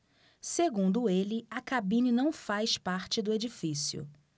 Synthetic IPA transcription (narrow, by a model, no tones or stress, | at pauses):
seɡũnd̪ʊelɪɐkabĩninɐ̃w̃fajspaɾt͡ʃɪd̪ʊed͡ʒifisiʊ̰